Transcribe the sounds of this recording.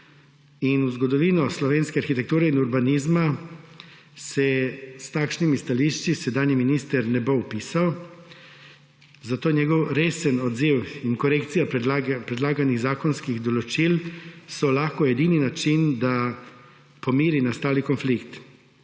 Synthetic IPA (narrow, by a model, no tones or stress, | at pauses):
inuzɡɔd̪ɔʋiːnɔslɔʋeːnskɛaɾxit̪ɛk̚t̪uːɾɛinuɾbaniːzma | sɛst̪akʃnimist̪aliʃt͡ʃisɛd̪aːniminiːst̪əɾnɛbowpiːsaw | zat̪oːnɲɛɡɔwɾeːsənɔd̪ziwiŋkɔɾekt̪sijapɾɛd̪laːɡaniɣzaːkɔnskiɣd̪ɔlɔt͡ʃilsɔlaxkɔɛd̪ininat͡ʃind̪a | pɔmiːɾinast̪aːlikɔnflikt̪